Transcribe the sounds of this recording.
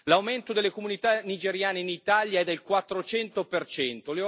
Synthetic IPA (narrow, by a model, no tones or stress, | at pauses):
lawment̪od̪elːekomunit̪anid͡ʒeɾjaːneinit̪aljaɛd̪ːelkwat̪ːɾot͡ʃɛnt̪opert͡ʃɛnt̪ole